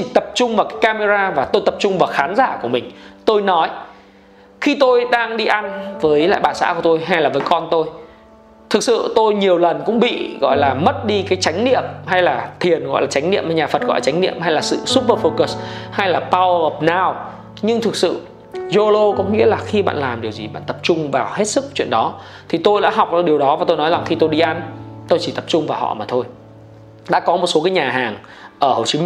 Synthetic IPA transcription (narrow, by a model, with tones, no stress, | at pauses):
t͡ɕi˧˩t̪ə˨˩p̚t͡ɕʊ˧ŋ͡mvaː˨˩wkaː˨˦jkaː˧me˧zaː˧vaː˨˩t̪o˧jt̪ə˨˩p̚t͡ɕʊ˧ŋ͡mvaː˨˩wxaː˨˦nzaː˧˩ku˧˩əmï˨˩ŋ̟t̪o˧jnɔ˨˦j | xi˧t̪o˧jɗaː˧ŋɗi˧ʔa˧nvəː˨˦jla̰ː˧˨jɓaː˨˩sa̰ː˧˥ku˧˩ət̪o˧jɦa˧jlaː˨˩vəː˨˦jkɔ˧nt̪o˧j | t̪ʰɨ˨˩k̚sɨ̰˧˨t̪o˧jɲi˨˩əwlə˨˩nkʊ̰˧˥ŋ͡mɓḭ˧˨ɣɔ̰˧˨jlaː˨˩mə˦˥t̚ɗi˧kaː˨˦jt͡ɕa˨˦ŋ̟nḭ˧˨əmɦa˧jlaː˨˩t̪ʰi˨˩ənɣɔ̰˧˨jlaː˨˩t͡ɕa˨˦jŋ̟nḭ˧əmaː˧˩ɲaː˨˩fə˨˩t̚ɣɔ̰˧˨lːaː˨t͡ɕa˨˦ŋ̟nḭ˧˨əmha˧jlaː˨˩sɨ̰˧˨su˦˥p̚vəː˧fo˧kə˨˩sha˧jlaː˨˩pa˧wəː˨˩p̚naː˨˩w | ɲɨ˧ŋt̪ʰɨ˨˩k̚sɨ̰˧˨ | zo˧lo˧kɔ˨˦ŋḭ˧˥əlaː˨˩xi˧ɓa̰ː˧˨nlaː˨˩mɗi˨˩əwzi˨˩ɓa̰ː˧˨nt̪ə˨˩p̚t͡ɕʊ˧ŋ͡mvaː˨˩whe˦˥t̚sɨ˦˥k̚t͡ɕwḭ˧˨ənɗɔ˨˦ | t̪ʰi˨˩t̪o˧jɗa̰ː˧˥ɦa˨˩wk͡p̚ʔɗi˨˩əwɗɔ˨˦va˨˩t̪o˧jnɔ˨˦za˨˩ŋxi˧t̪o˧jɗi˧ʔa˧nt̪o˧jt͡ɕi˧˩t̪ə˨˩p̚t͡ɕʊ˧ŋ͡mvaː˨˩whɔ̰˧˨maː˨˩t̪ʰo˧j | ɗa̰ː˧˥kɔ˨˦mo˨˩t̚so˨˦k̬aː˨˦jɲaː˨˩ɦaː˨˩ŋ | ʔəː˧˩ho˨˩t͡ɕi˨˦